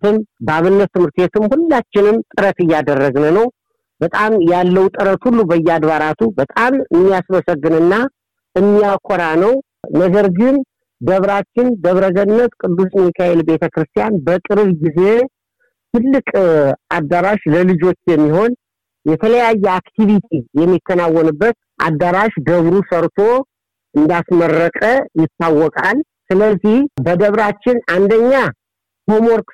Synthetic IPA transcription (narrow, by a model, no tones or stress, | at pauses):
ɨmbaβɨnːət̪ːɨmhɨɾt̪e̞t̪ʰɨmhulːat͡ʃːɪnɨmt̪ʼɨɾət̪ɨjːad̪ərːəɡnənəw | bət̪ʼamjalːəwt̪ʼɨɾət̪hulːubəjːɛad̪βaɾat̪ʰubət̪ʼamɨmːijasməsəɡːɨnɨnːa | ɨmːijakʰɔɾanəw | nəɡəɾɡɨn | d̪əβɾat͡ʃːɪnd̪əβɾəɡənːət̪kʼɨd̪ːusnmikʰaelbe̞t̪ʰəkɾɨst̪ʰijanbəkʼɨɾɨβɡize̞ | t̪ʰɨlːɨkʼʔad̪aɾaʃləlɨd͡ʒo̞t͡ʃːjɛmːiɦo̞n | jɛt̪ʰələjajːɛakt̪ʰivit̪ʰijɛmːik̪ːənawːɔnɨbːət̪̚ | ʔa̰d̪ːaɾaʃd̪əβɾusəɾt̪ʰo̞ | ʔɨnd̪asmərːəkʼəjɪt̪ːawːɔkʼal | sɨləzːihbəd̪əβɾat͡ʃːɪnand̪əɲːa | ho̞mo̞ɾk